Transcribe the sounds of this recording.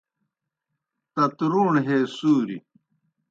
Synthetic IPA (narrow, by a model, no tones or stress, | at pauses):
t̪ɐt̪ɾuːɳɦeːsuːɾi